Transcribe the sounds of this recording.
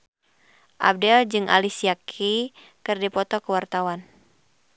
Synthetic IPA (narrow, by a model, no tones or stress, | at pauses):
ʔa̰b̚dɛld͡ʒɨŋʔa̰lisiakʰi | kɨrdipɔt̪ɔkəwart̪awan